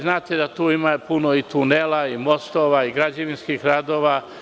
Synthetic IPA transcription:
znaːt̪ed̪at̪uːimapunoit̪unelaimo̞st̪oːʋaiɡɾad͡ʑaʋinskixɾad̪o̞ːʋaː

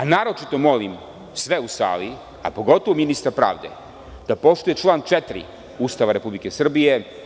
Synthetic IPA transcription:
anaːɾo̞t͡ʃit̪o̞mo̞lim | sʋeusa̰ːli | a̰po̞ɡo̞t̪oʋominist̪aɾpɾa̰ːʋd̪e̞̰ | d̪̥apo̞ʃt̪uje̞t͡ʃlˠaːnt͡ʃet̪ɾḭ | ust̪aʋaɾe̞publike̞sr̩bije̞

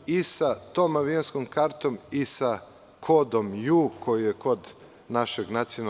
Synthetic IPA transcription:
isat̪oːmaʋionskomkaɾt̪o̞misa | kʰod̪o̞mjuːkʰojijekod̪ | naʃeɡnat̪siona

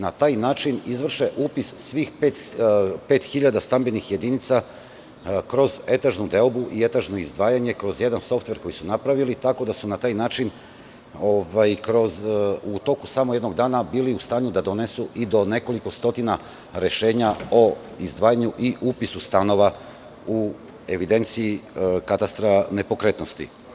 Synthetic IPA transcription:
nat̪aːjnaːt͡ʃinizʋr̩ʃeʔuːpissʋixpeːt̪pe̞ːt̪xiʎad̪ast̪ambenixje̞d̪init̪sa | kɾo̞ze̞t̪aʒnud̪e̞obuʔie̞t̪aʒnoizd̪ʋaːjaɲe̞kɾo̞zje̞d̪anso̞ft̪ʋe̞ɾko̞jisunapɾaʋilit̪ako̞d̪asunat̪aːjnaːt͡ʃin | oʋajkɾo̞zut̪o̞kusamojed̪no̞ɡd̪aːnabiːliust̪aːɲud̪ad̪o̞ne̞suʔid̪o̞ne̞ko̞liko̞st̪o̞t̪ina | ɾe̞ʃe̞ːɲao̞ | izd̪ʋaːjaɲuʔiʔupisust̪ano̞ʋa | u | e̞ʋid̪e̞nt̪siːkat̪ast̪ɾane̞po̞kɾe̞t̪no̞st̪ḭ

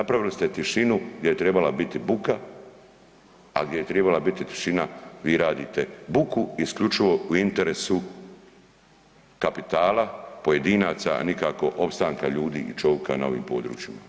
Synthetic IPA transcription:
napɾaʋilist̪e̞t̪iʃinuɡdʲjejet̪ɾe̞balabit̪ibuka | a̰ɡd̪ʲjejet̪ɾebalabit̪it̪i̥ʃinaʋiːɾaːd̪iːt̪e̞bukuiskʎut͡ʃiʋo̞uint̪e̞ɾe̞su | kapit̪aːlapo̞je̞d̪iːnaːt̪sa̰nikaːko̞ʔo̞pst̪aːŋkaʎuːd̪ḭːʔit͡ʃo̞ʋka̰na̰o̞ʋḭːmpo̞ːd̪ɾṵːt͡ʃima

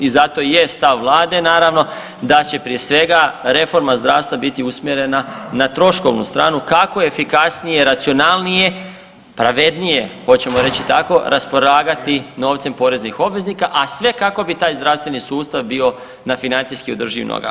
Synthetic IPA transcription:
izat̪o̞jest̪aʋːlˠaːd̪e̞naːɾaʋno̞ | d̪at͡ɕe̞pɾijesʋe̞ɡaɾe̞fo̞ɾmazd̪ɾaːʋst̪ʋabit̪iusmje̞ɾe̞nanat̪ɾo̞ʃko̞ʋnṵst̪ɾa̰ːnukakojeefikasnijeɾat̪sio̞nalˠnije̞ | pɾaʋe̞d̪nije̞ho̞t͡ɕe̞moɾe̞t͡ɕit̪ako̞ɾʔaspo̞laːɡat̪ino̞ːʋt̪se̞mpo̞ɾe̞znixo̞bʋe̞znikaʔasʋe̞kako̞bit̪aːjzd̪ɾaʋst̪ʋe̞nisuːst̪aʋbio̞ | nafinant̪ijskiod̪r̩ʒḭʋnʔo̰ɡa̰

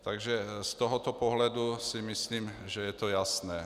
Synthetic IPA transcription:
t̪aɡʒɛst̪ɔɦɔt̪ɔpɔɦlad̪usimisliːmʒɛjɛt̪ɔjasnɛː

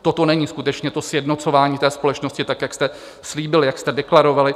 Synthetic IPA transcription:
t̪ot̪o̞nɛɲiːskut̪ɛt͡ʃɲɛt̪o̞sjɛdnot͡so̞vaːɲiːt̪ɛːspo̞lɛt͡ʃnoscɪt̪akjakst̪ɛ | sliːbɪlɪjakst̪ɛdɛklaɾo̞valɪ

